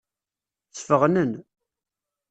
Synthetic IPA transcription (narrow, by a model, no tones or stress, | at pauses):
θə̥fəʁnən